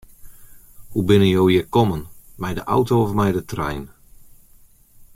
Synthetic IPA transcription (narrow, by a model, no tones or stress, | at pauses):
hubɪnəjowjəkɔmənmɛjdəʔa̰wtoɔfmɛjdətrɛ̰jn